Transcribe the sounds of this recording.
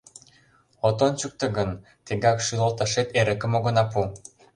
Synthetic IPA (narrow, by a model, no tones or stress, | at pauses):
ot̪ont͡ɕuk̚t̪ə̆ɡɤn | t̪eŋɡɑkʃylolt̪ɑʃet̪eɾə̆kə̆moɣɤ̆nɑpu